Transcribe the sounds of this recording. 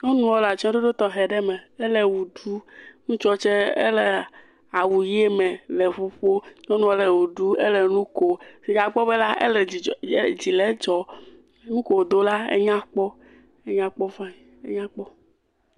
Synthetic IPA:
ɲo˦nũ˦wɔ˦la˨t͡ʃɔ̃˦ɖo˦ɖo˦t̪ɔ˨ɦɛ˨ɖɛ˦mɛ̃˨e˦le˨wu˨ɖu˦ŋũ˦t͡ʃɔ˦t͡ʃɛ˦ḛ˦lɛ˨ | a˨wu˨je˦mɛ̃˨lɛ˨ɸu˦ɸo˦ɲo˦nũ˦wɔ˦lɛ˨wu˨ɖu˦e˦le˨nũ˦ko˨si˨ɡa˨k͡pɔ˦be˦la˦ʔḛ˦lɛ˨˦d͡ʑi˨lɛ˨˦d͡ʒɔ˨ | nũ˦ko˨o˨d̪o˦la˦ḛ˦ɲã˦k͡pɔ˦ | e˦ɲã˦k͡pɔ˦vã˦˨e˦ɲã˦k͡pɔ˦

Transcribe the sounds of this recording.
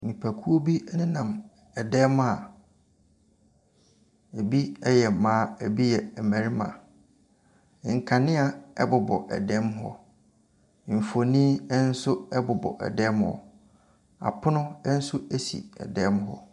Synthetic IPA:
nĩ˨pʰæ˨kʰu˦o˦bi˦nɪ̃˦nã˨m | ɛ˨dɛ˦ma˨ | e˨bi˦ɛ˦jɛ˨mãː˦æ˨bi˦jɛ˨mæ˨ɾi˦mã̰˨ | ŋ̩˨kʰa˨nɪ̃˦a˨ɛ˦bʊ˨bɔ̰˨ʔɛ̰˨dɛ˦mɦɔ̰˦˨ | m̩˨fo˨nĩ˦ɛ˦n̩˦sʊ˦ɛ˦bʊ˨bɔ̰˨ʔɛ̰˨dɛ˦mhɔ̰˨ | a̰˨pʰʊ˦nʊ̃˦ɛ˦n̩˦sʊ˦e˦sḭ˨ɛ̰˨dɛ˦mɦɔ̰˦

